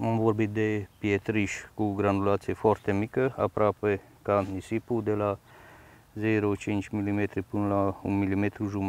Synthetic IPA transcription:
amvoɾbit̪̚d̪epjet̪ɾiʃkuɡɾand̪ulat̪siefɔɾt̪emikəa̰pɾʔape | kanisipud̪ela | zeɾot͡ʃint͡ʃmilimet̪ɾipɨnlaunmilimet̪ɾuʒum

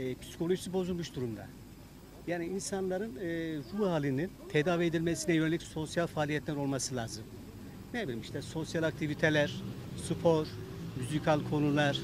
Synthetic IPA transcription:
ɛpʰi̥si̥kʰo̞lʲˠo̞ʒisibo̞zulˠmuʃd̪uɾumd̪a̰ | jaːniinsanlˠaɾɯnɯːɾuɦaːlʲinint̪ʰed̪aːvied̪ilʲmɛsinɛjø̞nelʲicso̞sjalʲfaːlʲijɛt̪lʲæɾo̞lˠmasɯlˠaːzɯm | nebilʲimiʃt̪ɛso̞sjalʲˠak̚t̪ʰivit̪ʰelʲæɾ̥supʰo̞ɾ̥myzikʰalʲkʰo̞nulˠaɾ̥

